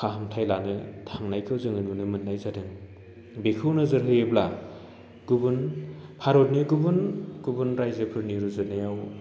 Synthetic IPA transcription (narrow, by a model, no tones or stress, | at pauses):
kʰaɦɯmtʰajlanɯtʰaŋnajkʰɯwzɯŋɯnunɯmɯt̚nːajzadɯŋ | bekʰɯwnɯzɯɾɦɯjebla | ɡ̥ubunpʰaɾot̚niɡubunɡ̥ubunɾajzepʰɯɾniɾuzɯnajaw